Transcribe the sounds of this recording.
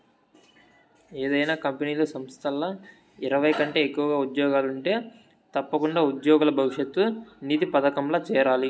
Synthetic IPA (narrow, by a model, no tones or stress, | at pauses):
eːd̪ɐjnaːkɐmpeniːlɐsɐmst̪ʰɐlːɐ | iɾɐʋɐjkɐɳʈe̞ːekːuʋɐɡaːud̪jɔːɡaːluɳʈe̞ː | t̪ɐpːɐkuɳɖaːud̪joːɡulɐbʱɐʋiʂjɐt̪ːunit̪ipɐd̪ɐkɐmlɐːt͡ʃɛːɾaːli